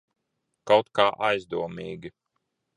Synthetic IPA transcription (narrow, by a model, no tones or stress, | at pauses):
kawt̪kaːʔajzd̪uɔmiːɡʲi